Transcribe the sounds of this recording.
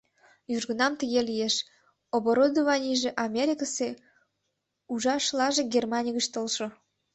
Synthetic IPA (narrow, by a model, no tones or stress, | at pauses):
jyʒɣə̆nɑmt̪əɣelijeʃ | oβoɾod̪ovɑnʲiʒeʔɑmʲeɾʲikəse | uʒɑʃlɑʒeɡʲermɑnʲiɣəʃt̪olʃŏ